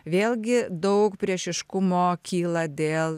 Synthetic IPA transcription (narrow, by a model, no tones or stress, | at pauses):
ʋʲeːlʲɡʲɪd̪ɐʊkpʲɾʲiɛʃʲɪʃkʊmoːkʲiːlˠɐd̪ʲeːlˠ